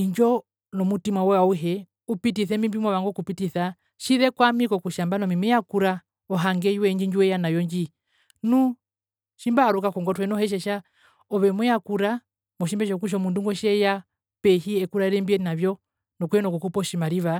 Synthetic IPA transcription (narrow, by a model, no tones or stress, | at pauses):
iɲd͡ʒɔ | nɔmutimwawɛwauɦɛ | upitiθɛmimbimwaβaŋɡɔkupitiθa | ʃiðɛkwamikɔkuʃambanɔmimijakuɾa | ɔɦaŋɡɛjwɛɲd͡ʒiɲd͡ʒuwɛjanajɔɲd͡ʒi | nu | ʃimbaːɾukakɔŋɡɔtuɛnɔhɛʃ̬ɛʃa | ɔβɛmujakuɾa | mɔʃ̬imbɛʃɔkuʃ̬ɔmunduŋɡɔʃɛja | pɛhiɛkuɾaɛɾɛmbiɛnaβjɔ | nɔkuɛnɔkukupɔʃimaɾiβa